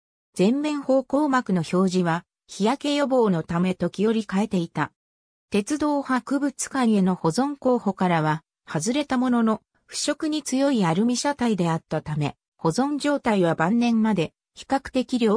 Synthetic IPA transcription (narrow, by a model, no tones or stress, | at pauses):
d͡zẽ̞mːẽ̞ɰ̃ho̞ːko̞ːmakɯ̟no̞ço̞ːʑĩβa | çijake̞jo̞bo̞ːno̞t̪ame̞t̪o̞kʲijo̞ɾʲikae̞t̪e̞it̪a | t̪e̞t͡sɨd̪o̞ːhakɯ̟bɯ̟t͡sɨ̥kaɲie̞no̞ho̞zõ̞ŋko̞ːho̞kaɾaβa | hazɨɾe̞t̪amo̞no̞no | ɸɯ̟̥ɕo̞kɯ̟ɲ̟it͡sɨjo̞iaɾɯ̟mʲiɕat̪aid̪e̞at̪ːat̪ame̞ | ho̞zõ̞ɲ̟d͡ʑo̞ːt̪aiβabãnːẽ̞mːad̪e̞ | çi̥kakɯ̟̥t̪e̞kʲiɾʲo̞ː